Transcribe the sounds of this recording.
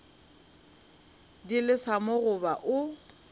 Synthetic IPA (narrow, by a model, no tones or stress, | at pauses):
dilɪsamʊɣʊbaʔʊ